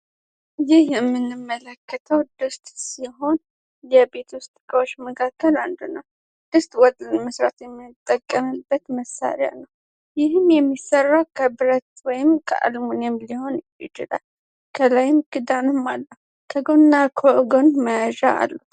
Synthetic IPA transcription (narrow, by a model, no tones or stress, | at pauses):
jɪhjɛmːɨnɨmːələkːət̪ʰəwd̪ɨst̪ʼsiɦo̞n | jɛbe̞t̪wʊst̪ʼkʼəwot͡ʃːməkʰakːəland̪unəw | d̪̥ɨst̪ʼwɔd̪məsɾat̪jɛmːɨt̪ʼːəkʼːəmɨbːət̪məsa̰ɾja̰nəw | jɪɦɨmjɛmːisərːawkʰəbɨɾət̪wɔjɪmkʰə̰ʔa̰lmunɛmliho̞njɪt͡ʃɪla̰l | kʰəlajɪmɡɨd̪anɨmalːə | kʰəɡonːakʰoʔɡonməjaʒaa̰lːu